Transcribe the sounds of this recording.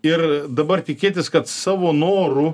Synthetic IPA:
ɪrd̪ɐbɐrt̪ʲɪkʲeːt̪ʲɪskɐt̪sɑːʋoːnoːɾʊ

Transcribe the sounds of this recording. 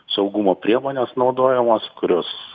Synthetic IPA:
sɒʊɡumoːpʲɾʲiɛmoːnʲesnɒʊd̪oːjɛmoːskʊɾʲoːs

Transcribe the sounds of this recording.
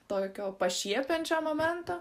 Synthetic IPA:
t̪oːkʲoːpɐʃʲiɛpʲɛnʲt͡ʃʲoːmoːmʲɛnt̪oː

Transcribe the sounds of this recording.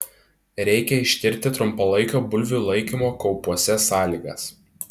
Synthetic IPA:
ɾʲɛɪkʲɛɪʃʲt̪ʲɪɾʲt̪ʲɪt̪ɾʊmpɐlˠɐɪkʲoːbʊlʲʋʲulˠɐɪkʲimoːkɔʊpuɔsʲɛsɑːlʲiːɡɐ̰s

